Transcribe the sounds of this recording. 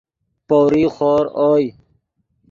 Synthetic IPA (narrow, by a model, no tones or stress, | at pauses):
poːɾiːxoːɾoːj